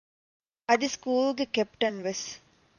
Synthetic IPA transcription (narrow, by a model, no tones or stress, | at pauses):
ɐd̪iskuːlɡekepʈɐnʋes